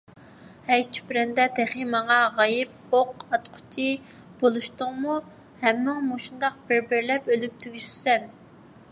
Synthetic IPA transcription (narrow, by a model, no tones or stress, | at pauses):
hɛjt͡ʃʰy̥pɾɛnd̪ɛt̪ʰɛχimɑŋɑʁɑjɪp̚oqɑt̪qʰʊ̥t͡ʃʰi | b̥olˠuʃt̪ʊŋmu | hɛmːɪŋmuʃund̪ɑq̚b̥ɪɾbɪɾlɛpølyp̚t̪ʰyɡʲyʃsɛn